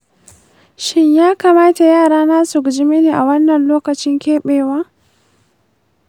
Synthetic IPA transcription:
ʃɪ˦ɲjaː˦ka˨maː˦ta˨jaː˦˨ɽaː˦naː˦su˨ɡd͡ʒɪ˦me˦neː˨ʔa˨wɐ˦nːɐ˨nloː˦kɐ˨t͡ʃɪ˦ŋkʲeː˦ɓeː˨waː˦

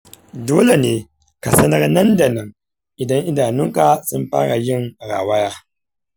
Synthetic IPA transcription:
doː˦le˨neː˨ | ka˨sɐ˦nɐ˦rnɐ˦nda˨nɐ˨ŋ | ʔɪ˨dɐ˦ŋʔɪ˦daː˨nʊ˦ŋka˨sʊ˦mɸa̰ː˦ɽa˨jɪ˦ŋɾa̰ː˨wa˦jaː˦

